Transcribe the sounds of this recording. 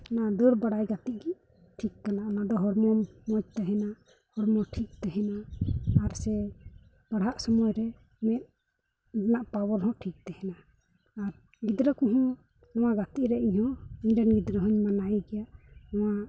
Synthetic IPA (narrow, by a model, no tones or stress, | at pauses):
nad̪əɾbaɽajɡat̪iʔ̚ɡiʔ | ʈʰikːanaʔnad̪ɔɦɔɾmɔmɔd͡ʒ̚t̪ɛɦɛna | hɔɾmɔʈʰik̚t̪ɛɦɛnaː | ɾsɛ | b̥aɽaʔsɔmɔjɾɛ | mɛt̪̚ | naʔpawɔɾɦɔ̃ʔʈʰik̚t̪ɛhɛnaː | ɾ | ɡid̪ɾakɔɦɔ̃ | nɔw̃aɡat̪iʔɾɛiɲhɔ̃iɲdɛnɡid̪ɾəɦɔɲmanajɡɛjaʔnɔwa